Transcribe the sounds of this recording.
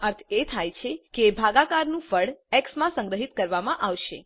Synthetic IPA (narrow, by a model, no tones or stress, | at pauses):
əɾt̪ʰet̪ʰajt͡ʃʰekebʱaɡakaɾnũfəɽɛksmãsə̃ŋɡɾəɦit̪kəɾʋamãʔaʋʃḛ